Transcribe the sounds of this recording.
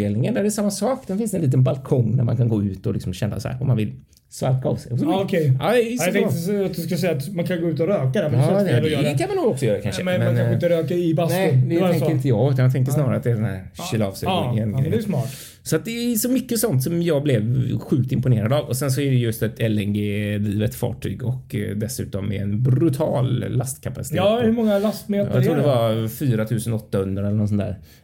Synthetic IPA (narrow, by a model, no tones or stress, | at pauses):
eːlnɪŋənd̪æɾɛsamːasɑːkd̪ɛnfɪnst̪ɛnliːt̪ənbalkʰɔŋnæ̰ɾmankʰanɡoːʉ̟ːt̪ɔ̰lɪksɔmɕɛnːa̰sɔhæ̰ːɾɔ̰mːanvɪ̰l | sva̰ɾk̪aɑ̰vsɛɪjɔkʰɛɑːɛt̪ɛŋəat̪̚d̪ɵskasɛjat̪mankʰanɡoːʉ̟ːt̪̬ɔɾøːkad̪ɛmːd̪ɛkʰanmanuːɡɔksɔjœːɾakanʂəmɛmɛaɪnt̪əɾøːkaɪbaɛd̪ɛɛŋəɾɪnt̪̬əjɑːɡʉt̪anjat̪ʰɛŋk̬ːəʂnɑːɾaɾat̪d̪ɛæɖɛnhæ̰ɾɕiːlɑ̰ːvst̪ø̰nɪ̰ŋɛnɛjsmɑːʈ | sɔat̪̚d̪ɛsɔmʏkːəsɔnt̪sɔmjɑːɡblɛvɧʉ̟ːk̚t̪ɪmpʊneːɾad̪avɔsɛns̬ɔɛɖɛjɵst̪ɛt̪ɛlːɛŋɡed̪iːvət̪fɑ̰ːʈʰy̰ːɡɔkd̪ɛsʉ̟̰ːt̪ɔmːɛ̰ɛnbɾɵt̪ʰɑːlːast̪kʰapasɪ̥t̪ʰeːhɵmɔŋːalast̪meːjɑt̪ʰɾuːdɛvafyːɾat̪ʰʉ̟ːsənɔt̪ːahɵnd̪ɾaɛlːənɔsɔnd̪ʰæ̰ːɾ